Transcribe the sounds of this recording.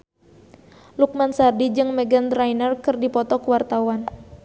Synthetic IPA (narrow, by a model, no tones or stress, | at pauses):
luk̚mansardid͡ʒɨŋmɛɡand̪ɾajnərkɨrdipɔt̪ɔkəwart̪awan